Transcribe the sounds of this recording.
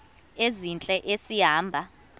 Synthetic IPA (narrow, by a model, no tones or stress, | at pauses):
ezint͡ɬʼɛʔesiɦaːmbʱa